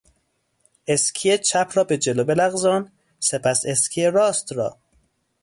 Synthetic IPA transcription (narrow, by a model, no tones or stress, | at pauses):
eskʰijet͡ʃʰæpʰɾɒːbed͡ʒelobelæɣzɒːn | sepʰæseskʰijeɾɒːst̪ɾɒ̰ː